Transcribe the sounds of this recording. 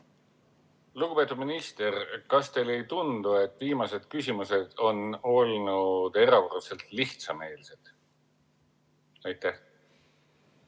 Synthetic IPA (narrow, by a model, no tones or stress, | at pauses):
luɡ̥upe̞t̪ːˑud̪̚minist̪erkɑst̪e̞jle̞jt̪und̪ue̞t̪ːˑviːmɑse̞d̪̥kysʲimuse̞d̪̥o̞no̞lnud̪̥e̞ɾɑvorse̞lt̪liht̪sɑme̞ːlse̞d̪̥ | ɑjt̪ːˑæh